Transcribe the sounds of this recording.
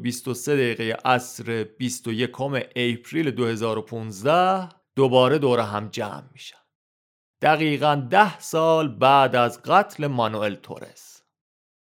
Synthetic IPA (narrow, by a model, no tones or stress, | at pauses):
bist̪o̞se̞d̪æiːɣejḛʔæsɾeb̥ist̪o̞je̞kʰo̞meʔejpʰɾiːled̪ohe̞zɒːɾo̞pʰuːnzd̪æh | d̪̥obɒːɾe̞d̪oːɾeɦæmd͡ʒæ̰ːmːi̥ːʃæ̥ | d̪̥æɣiːɣænd̪æhsɒːlbæːd̪æzɢæt̪ʰle̞mɒnuelt̪ʰo̰ɾḛs